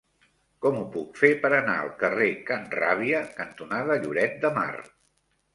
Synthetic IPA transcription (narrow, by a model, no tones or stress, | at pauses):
kɔmupukfepəɾəna̰ə̰lˠkərekanraβ̞iəkənt̪unað̞əʎuɾɛt̪̚d̪əma̰r